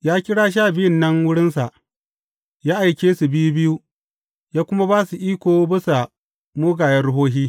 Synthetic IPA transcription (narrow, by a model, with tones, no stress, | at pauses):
jaː˦kʲɪ˦ɽaː˦ʃ̬aː˦˨bɪ˦jɪ˦nːɐ˦ŋwʊ˦ɽɪ˦nsa˨ʔ | jaː˦ʔa˨jkʲeː˦su˨bɪ˦ju˦bɪ˦ju˦ | jaː˦kʷʊ˦ma˦baː˦su˨ʔiː˦kʷoː˨˦bɪ˦sa˨ | moː˦ɡaː˨jɐ˦rɽʊ˦ɦoː˦ɦiː˦